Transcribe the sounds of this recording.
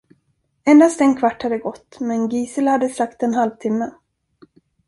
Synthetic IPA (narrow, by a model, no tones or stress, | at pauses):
ɛnd̪ast̪ɛnkʰvaʈːhad̪ːəɡɔt̪ːmɛnɡiːsəlhad̪ːəsakt̪ɛnɦalvt̪ʰɪmːə